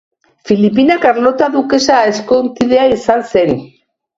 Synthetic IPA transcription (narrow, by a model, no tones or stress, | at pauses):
filip̬inakaɾlot̪aðukesaeskont̪iðeaisanseɾi